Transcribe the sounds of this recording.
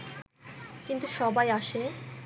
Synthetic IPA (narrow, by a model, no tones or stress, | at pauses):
kint̪uʃɔbajaʃe